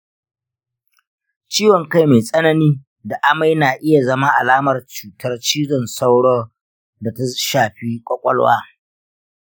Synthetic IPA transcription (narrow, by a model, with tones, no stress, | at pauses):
t͡ʃiː˦wɔ˨ŋka˦jma˨sʼɐ˦nɐ˦niː˦ | da˨ʔa˦ma˦jnaː˨ʔɪ˦ja˨zɐ˦ma˦ʔa˨laː˦mɐ˨rt͡ʃuː˨tʰɐ˦rt͡ʃiː˦zɔ˨nsa˦wɽɔː˦ | da˨ta˦ʃaː˨ɸi˦kʷʼɔ˦kʷʼɔ˦lwa̰ː˦